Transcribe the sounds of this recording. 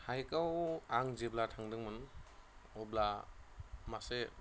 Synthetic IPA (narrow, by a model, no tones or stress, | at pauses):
hajkawaŋzeblatʰaŋdɯŋmɯn | ɔbla | mase